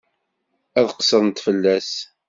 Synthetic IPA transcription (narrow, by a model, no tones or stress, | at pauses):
æðqə̥sˤəðˤnt̪fəlːæs